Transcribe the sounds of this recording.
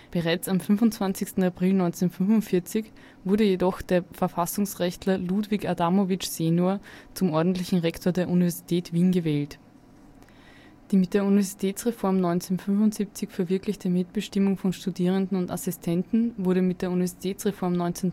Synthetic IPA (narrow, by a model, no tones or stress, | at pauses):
b̥əʁaɪt͡samfnvʊnt͡sv̥ant͡sɪçstn̩apʁ̥ɪlnɔʏnt͡senfʏnvʊntfɪɐt͡sɪç | v̥ʊɐɾəjedɔxd̥eːɐfɛɐfasʊŋsʁɛçtʰlɐludvɪçadamovɪt͡ʃz̥eːnoɐt͡sʊmʔɔɐdn̩tlɪçn̩ʁɛktʰoːɐdeːɐʔunivɛɐzitʰɛːtv̥iːnɡəvɛːlt | d̥iːmɪt̚d̥eːɐunivɛɐzitʰɛːt͡sʁefɔɐmnɔʏnt͡senfʏnvʊntz̥ip̚t͡sɪçfɛɐvɪɐklɪçtəmɪtb̥əʃtɪmʊŋfɔnʃtudiːʁ̞əndn̩ʊnta̰sɪstʰɛntn̩vʊɐɾəmɪt̚d̥eːɐunivɛɐzitʰɛːt͡sʁefɔɐmnɔʏnt͡sen